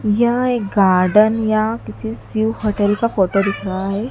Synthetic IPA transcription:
jaek̚ɡaɾɖənjakit̪ʰisiwhəʈəɾikafoʈod̪ikʰɾaɦe

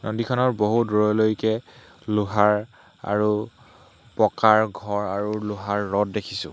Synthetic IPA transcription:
nʔodikʰɔnɔɹboɦudɔɹɔlojkɛ | luɦaɹ | a̰ɹu | pɔkaɹɡʱɔɹaɹuluɦaɹːɔt̚dekʰisʊ̰̃

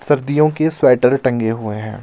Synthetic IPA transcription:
sɐɾd̪ijõkeswɛːʈəɾʈɐ̃ŋɡeɦueɦɛ̃ː

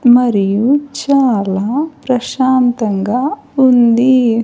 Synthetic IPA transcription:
mɐɾijut͡ʃaːlaːpɾɐʃaːnt̪ɐŋɡaː | und̪i

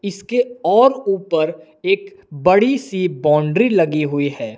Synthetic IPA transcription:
ɪskeɔːɾuːpəɾ | eːk | bɐɽisibɔ̃ːɳɖɾilɐɡiɦʊiɦɛː

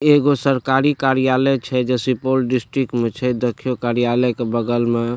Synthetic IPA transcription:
eɡosəɾkaɾikaɾijaləjt͡ʃʰɛd͡ʒɛsipolɖisʈɾik̚ʈmet͡ʃʰɛd̪ekʰːijokaɾijaləkebəɡəlme

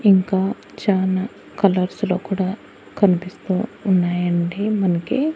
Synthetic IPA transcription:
iŋkaː | t͡ʃaːlaː | kɐlɐɾsloːkuːɽaː | kɐnipist̪uːnːaːjɐɳɖimɐnɐki

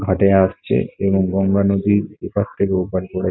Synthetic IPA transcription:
ɡʱaʈeaʃt͡ɕʰḛeboŋɡɔŋɡanod̪iɾekast̪ʰekeupalkɔɽa

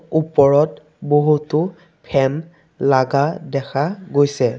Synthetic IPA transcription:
upɔɹɔt | boɦutʊ | pʰɛm | laɡadɛkʰaɡojsɛ

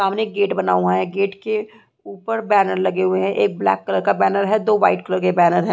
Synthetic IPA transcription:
aːmneɡeːʈbɐna̰ːuɦãɦɛ̃ɡeːʈke | uːpəɾbɛːnəɾlɐɡeɦʊeɦɛ̃ʔeːk̚blɛ̰ːkːələɾkabɛːnəɾɦɛd̪oːʋaːɪʈ̚kələɾkebɛːnəɾɦɛ̃

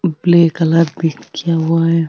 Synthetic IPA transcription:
blekalad̪ikjawa

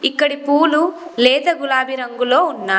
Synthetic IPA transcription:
ikːɐɽipuːlulɛːd̪ɐɡulaːbiɾɐŋɡulo̞ːunːaː

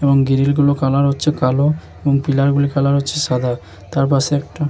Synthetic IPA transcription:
ebɔŋɡiɾilɡulokalaɾɦotːʃʰekalo | ebɔŋpilaɾɡulikalaɾɦotːɕʰesad̪ʱa | t̪aɾp̬aseɛk̚ʈa

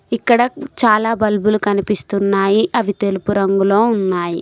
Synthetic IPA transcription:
ikːɐɽɐt͡ʃaːlaːbɐlbulukɐnipist̪unːaːjiʔɐʋit̪elupuɾɐŋɡulo̞ːunːaːji

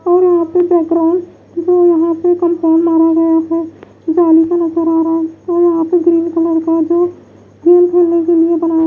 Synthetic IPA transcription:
ɔːɾjɐɦãpebɛːkɡɾaʊ̃ɳɖ | d͡ʒoːjɐɦãpekə̃mpoːnmaːɾaɡɐjape | d͡ʒaːlikanɐzəɾaːɾaɔːɾjɐɦãpeɡɾiːnkələɾkad͡ʒoː | ɡ̪iːnkʰeːlnekeliebənaː

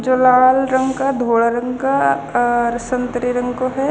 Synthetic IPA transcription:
d͡ʒoːlaːlɾɐ̃ŋɡkad̪ʱoːɽaɾɐ̃ŋɡka | ɾɐsə̃nt̪əɾiɾɐ̃ŋɡkoɦɛ

